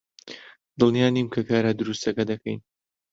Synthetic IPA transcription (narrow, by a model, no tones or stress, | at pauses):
d̪ɨlˠnijaːniːmkʰɐkaːɾaːd̪ɨɾust̪ɐkɐd̪ɐkʰɐjn